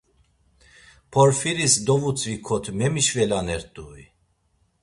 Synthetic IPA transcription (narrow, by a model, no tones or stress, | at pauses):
pʰɔɾfiɾisd̪ɔvut͡sʼvikʰɔt̪ʰmɛmiʃvɛlanɛɾt̪ʼui